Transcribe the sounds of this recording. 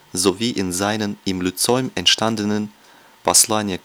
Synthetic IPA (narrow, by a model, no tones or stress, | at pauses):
zoviːʔɪnzaɪnənɪmlut͡sɔʏmɛntʃtandənən | b̥aslaːnjɐ